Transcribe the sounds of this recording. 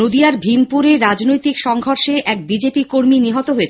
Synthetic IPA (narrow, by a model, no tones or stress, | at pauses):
od̪iaɾbʱimpuɾeɾad͡ʑnojt̪ikʃɔŋɡʱoɾʃeʔɛk̚bid͡ʑepikoɾminiɦɔt̪oɦoet͡ɕʰe